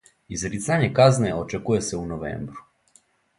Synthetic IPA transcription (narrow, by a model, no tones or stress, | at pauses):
izɾit̪saɲekazneot͡ʃekuje̞seunoʋḛːmbɾu